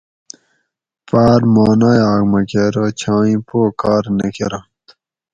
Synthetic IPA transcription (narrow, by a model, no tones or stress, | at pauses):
paːɾmaːnajaːɡmɐkeɾot͡ɕʰãːĩpoːkaːɾnekḛɾɐt̪